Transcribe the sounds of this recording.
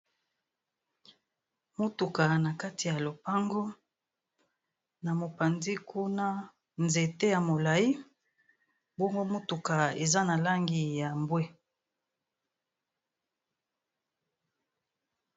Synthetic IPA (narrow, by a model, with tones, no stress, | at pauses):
mo˦tu˨ka˨na˨ka˦ti˨ja˨lo˨pa˦ŋɡo˦ | na˨mo˨pa˨ndi˦kʰu˦na˦ | nze˨te˦ja˨mo˨la˨i˦ | bo˦ŋɡo˦mo˦tu˨ka˨e˨za˦na˨la˦ŋɡi˨ja˨mbwe˦